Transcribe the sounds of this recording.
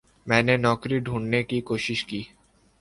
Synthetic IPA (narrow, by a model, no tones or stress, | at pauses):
mɛːnenɔkɾiɖʱuɳnekikoːʃiʃkiː